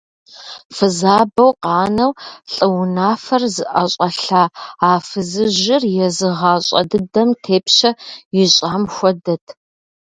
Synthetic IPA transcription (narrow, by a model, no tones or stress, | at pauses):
fɨzaːbɐwqɑːnɐwɬʼɨwʊnaːfɐrzɨʔɐɕʼɐɬaːaːfɨzɨʑɪrjɛzɨʁɑːɕʼɐ̰dɨdɐmtʰeːpɕɐjɪɕʼaːmxʷɔdɐtʰ